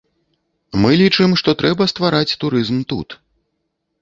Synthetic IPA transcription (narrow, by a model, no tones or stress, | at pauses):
mɨlʲit͡ʂɨmʂt̪ɔt̪ɾɛbɐst̪vaɾat͡sʲt̪uɾɨzmt̪ṵt̪